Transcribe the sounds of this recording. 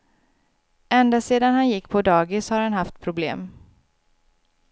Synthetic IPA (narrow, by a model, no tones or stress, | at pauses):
ɛnd̪aseːd̪anhanjɪkːpʰɔd̪ɑːɡɪshaɾhanhaft̪̚pʰɾʊblḛːm